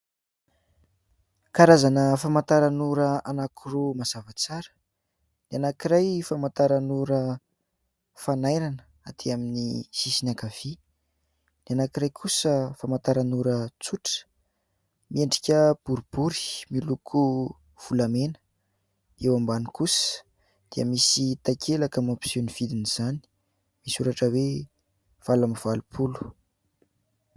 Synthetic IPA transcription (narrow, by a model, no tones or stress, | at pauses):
kaɾazanəfamant̪aɾanuɾəanakʰuromazavat͡saɾə̥ | nianakiɾajfamant̪aɾanuɾə | fanajɾanə̥ | at̪ʰiaminisisinakav̥i | nianakiɾajkʰusəfamant̪aɾanuɾət͡suʈ͡ʂə̥ | mieɳɖ͡ʐi̥kʲəb̥uɾub̥uɾi̥milukʰu | v̥ulamenə̥ | ewambanikusə̥ | d̪̥iəmisit̪akʰelakamopsoniv̥id̪iniz̥ani̥ | misuɾaʈ͡ʂəwe | v̥alamiv̥alupʰulu̥